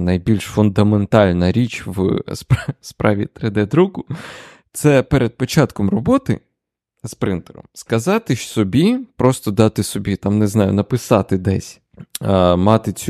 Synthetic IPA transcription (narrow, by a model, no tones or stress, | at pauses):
nɐjbʲilʲʃfʊnd̪ɐment̪ɑlʲnɐɾʲit͡ʃʋspspɾɑ̰ʋʲit̪ɾed̪ɛd̪ɾukʊ | t̪sɛpeɾʔed̪̚pɔt͡ʃɑt̪kɔmrɔbɔt̪ɪ̰ | spɾɪnt̪eɾɔ̰mskɐzɑt̪ɪʃsɔbʲipɾɔst̪ɔd̪ɑt̪ɪsɔbʲit̪ɑmneznɑjʊ̰nɐpɪsɑt̪ɪd̪ɛsʲ | mɑt̪ɪt͡sʲu